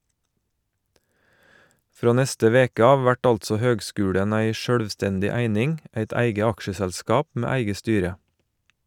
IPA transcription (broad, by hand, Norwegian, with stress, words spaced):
ˈfɾoː ˈnɛstə ˈʋeːkə ˈɑːʋ ˈʋæʈ ˈɑltsɔ ˈhøːɡˌskʉːɽən ˈæɪ ˈʃøːɽʋˌstɛndɪ ˈæɪnɪŋ ˈæɪt ˈæɪɡə ˈɑkʃəsɛlˌskɑːp ˈmeː ˈæɪɡə ˈstyːɾə